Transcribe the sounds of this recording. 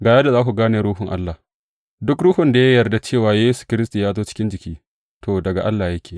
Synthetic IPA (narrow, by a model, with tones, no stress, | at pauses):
ɡaː˨jɐ˦da˨zaː˦kʷu˨ɡaː˦neː˨ɾuː˦ɦʊ˨ŋʔa̰˦lːa˨ | dʊ˦kɽuː˦hʊ˨nda˨ja˦jɐ˨rda˨t͡ʃeː˦˨waː˨jeː˦su̥˨kʲɪ˦ɾɪ˦stu˨jaː˦zoː˦t͡ʃɪ̥˦kʲɪ˦nd͡ʒɪ˨kʲiː˦ | tʰoː˨dɐ˨ɡa˨ʔa˦lːaː˨jɐ˦kʲʰeː˨